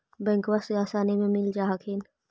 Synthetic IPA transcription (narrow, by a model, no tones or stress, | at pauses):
bɛ̃ːŋkwaseaːsaːnimẽmɪld͡ʒaːɦakʰeːn